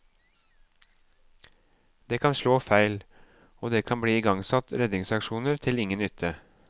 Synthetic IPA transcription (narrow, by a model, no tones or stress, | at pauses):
d̪eːkʰɑnʃloːfæɪl | oːd̪eːkʰɑnbɽiːiːɡɑŋsɑt̪ɾɛd̪nɪŋsɑkʃuːnəɾt̪ʰɪlɪŋənʏt̪ʰə